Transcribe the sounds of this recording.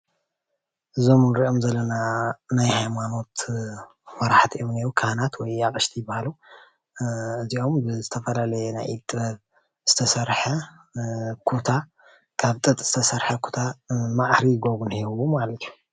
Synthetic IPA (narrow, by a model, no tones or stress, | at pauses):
ʔɨzo̞mnɨɾiʔo̞mzɐlːɐnanajhajmano̞t̪ | fɐɾaħt̪ʰiʔomniɾukʰahanat̪ʰwɔjakʼɐʃt̪ʰijɪbːahalu | ɨziʔo̞mbɨzɨt̪ʰɐfɐlalɐjɛna̰jit̪ʼɨɐβ | z̥ɨt̪ʰɐsɐɾħɐ | kʰut̪ʰa | kʰaβt̪ʼɨt̪ʼz̥ɨ̥t̪ʰɐsɐɾħɐkʰu̥t̪ʰamaʕɾiɡoβunhiβumalɐt̪ʰiju